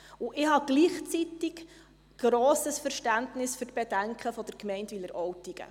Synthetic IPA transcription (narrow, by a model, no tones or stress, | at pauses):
uʔɪhɑɡ̥liːχt͡sit̪ɪk | ɡ̥ɾɔːsəsfəɾʃtæntnɪsføɾtb̥ɛdæŋkχəfɔd̥əɾkmɛɪntʋilːəɾʔɔwtiɡ̥ə̰